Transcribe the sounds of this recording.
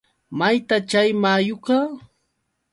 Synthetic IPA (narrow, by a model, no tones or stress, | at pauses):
majt̪at͡ʃajmaːjʊkɑ